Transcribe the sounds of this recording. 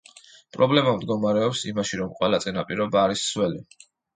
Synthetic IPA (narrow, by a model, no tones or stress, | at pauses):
pʼɾɔblɛmamd̪ɡɔmaɾɛɔpsimaʃiɾɔmqʼwɛlat̪sʼinapʼiɾɔbaːɾisswɛli